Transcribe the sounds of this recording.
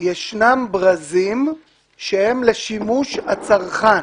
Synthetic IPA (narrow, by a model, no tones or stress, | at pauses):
jeʃnambʁazim | ʃehemleʃimuʃhat͡saʁχa